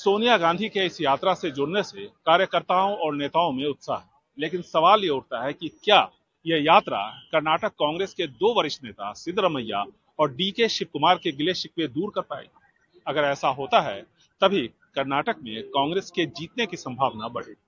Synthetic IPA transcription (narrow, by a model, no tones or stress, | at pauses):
soːnijaɡãːnd̪ʱikeɪsjaːt̪ɾased͡ʒʊɽnesekaːɾjəkəɾt̪aːõʔɔːɾneːt̪aːõmẽʊt̪sa̰ɦɛː | leːkɪnsɐʋaːljeʊɽt̪aɦɛkikjaː | jejaːt̪ɾa̰kɐɾnaːʈəkːãːŋɡɾeːsked̪oːʋəɾɪʃneːt̪a̰sɪd̪ʱɾɐməjːa̰ | ɔːɾɖiːkeʃɪp̚kʊmaːɾkeɡɪleʃɪkʋed̪uːɾkɐɾpa̰ːḛ | ɐɡəɾɛːsaɦoːt̪aɦɛ | t̪ɐbʱi | kɐɾnaːʈəkmḛ̃kãːŋɡɾeːsked͡ʒiːt̪nekisɐ̃mbʱaːʋnabɐɽ̤ḛː